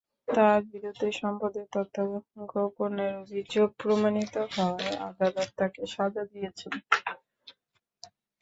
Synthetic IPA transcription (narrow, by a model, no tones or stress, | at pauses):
t̪aɾbiɾod̪ʱeʃɔmpod̪et̪ɔt̪ːaɡɡoponeɾobʱid͡ʑopɾomanit̪oɦɔea̰ɡ̪ad̪at̪t̪akeʃad͡ʑad̪ijet͡ɕʰen